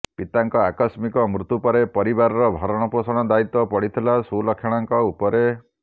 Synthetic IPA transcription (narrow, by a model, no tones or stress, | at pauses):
pit̪aŋkɔakɔsmikɔmɾut̪upɔɾepɔɾibaɾɔɾɔbʱɔɾɔɽ̃ɔposɔɽ̃ɔd̪ait̪ɔpɔɽ̤it̪ʰilasulɔkʰːjaɽ̃aŋkɔupɔɾe